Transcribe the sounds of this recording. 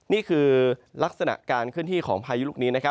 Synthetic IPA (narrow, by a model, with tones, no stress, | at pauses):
niː˥˩kʰɯː˧la˦˥k̚sa˧na̰˨˩ʔkaː˧nkʰɯ˥˩ənt̪iː˥˩kʰɔː˩˦ŋpʰaː˧ju˦˥luː˥˩niː˦˥na˦˥kʰa˦˥